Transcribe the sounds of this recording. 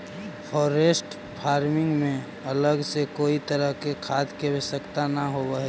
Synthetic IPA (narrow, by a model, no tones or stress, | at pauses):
pʰɔːɾesʈ | pʰaːɾmɪ̃ŋɡmẽ | ələɡsekoːit̪əɾəɦkekʰaːd̪kebesəkt̪anəɦobəɦɛ